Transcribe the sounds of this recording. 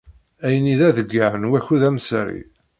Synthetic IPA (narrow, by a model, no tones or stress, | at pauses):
æjəniðæðəɡːaʕənwæçuðæmsɾḭ